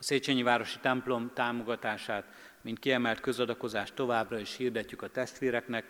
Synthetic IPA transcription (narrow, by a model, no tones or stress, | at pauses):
ɒseːt͡ʃeɲivaːɾo̞ʃi̥t̪ɛmplo̞mt̪aːmo̞ɡɒt̪aːʃaːt̪ | mint̪kiɛmɛlt̪kø̞zɒd̪ɒko̞zaːʃt̪ːo̞vaːbrɒiʃhiːrd̪ɛcːykɒt̪ɛst̪ʋiːɾɛknɛk